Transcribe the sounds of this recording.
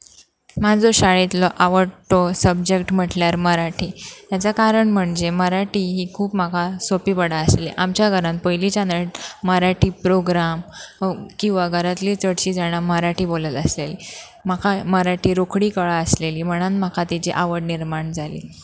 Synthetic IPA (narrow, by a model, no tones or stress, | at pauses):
mad͡zoɕaɭet̪lɔʔaʋəɽʈɔsəb̚d͡ʑekʈm̤əʈljaɾməɾaʈʰiːt̪jat͡sakaɾəɳm̤əɳd͡ʑeməɾaʈiːɦiːkʰuːpmakʰasopiːbəɽaəselḭʔamt͡ɕjaɡʱəɾãnpəjlit͡ɕanəʈ̚məɾaʈiːpɾoɡɾam | kĩw̃ʋaɡʱəɾat̪liːt͡səɽɕiːd͡zaɽ̃aməɾaʈiːbolət̪əsleli | makʰaməɾaʈiːɾokʰɽiːkəɭaəsleliːm̤əɽ̃ənmakʰat̪it͡ɕiʔaʋəɽniɾmaɳd͡zʱalḭː